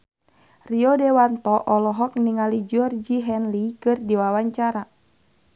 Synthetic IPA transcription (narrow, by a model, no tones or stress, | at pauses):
riɔdɛwant̪ɔʔɔlɔɦɔk̚niŋalid͡ʒɔrd͡ʒiɦɛnlikɨrdiwawaɲt͡ʃaɾa